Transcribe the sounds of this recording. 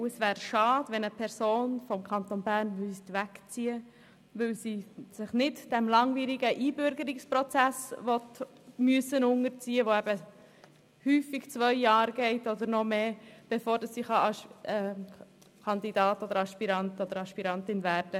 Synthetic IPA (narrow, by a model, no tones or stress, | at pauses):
uəsʋæːɾʃɑːdʋɛnəpʰɛɾsoːnfɔmkʰɑnt̪onbæːɾnmʏst̪ʋækt͡siə | ʋɪwsiːsɪχnɪtd̥ɛmlɑŋviːɾiɡəʔiːbʏɾɡəɾɪkspɾɔt͡sæsʋɔt̪ | myəsənʊŋəɾt͡siːəʋoɛbə | hyːfɪɡ̥t͡sʋœʏjɑːɾɡɛɪtɔd̪əɾnɔmeːb̥efoːɾd̥ɑsːiːχɑɑɛ | kʰɑnd̪idɑːtɔd̪əɾɑʃpiɾɑntɔd̥əɾɑʃpiɾɑntɪnvæːɾd̥ə